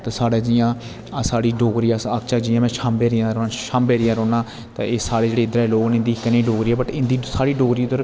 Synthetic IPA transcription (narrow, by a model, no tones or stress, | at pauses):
t̪aːsaːɽeːd͡ʒɪjãː | saːɽiːɖoːɡɾiːaːsakt͡ʃaːd͡ʒɪjãːmɛ̃ːʃãːmbeːɾɪjãːɾoʃãːmbeːɾɪjãːɾoːnaː | t̪ãːeːsaːɽeːd͡ʒeːɽeːɪd̪ɾaɦɛːloːɡnɪ̃nd̪iːkːənĩːɖoːɡɾiːɛːbəʈɪnd̪iːsaːɽiːɖoːɡɾiːd̪əɾ